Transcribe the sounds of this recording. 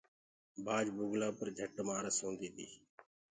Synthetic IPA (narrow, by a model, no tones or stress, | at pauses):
baːd͡ʒbuːɡlaːpəɾd͡ʒʱəʈmaːɾəsõːnd̪iːt̪ḭː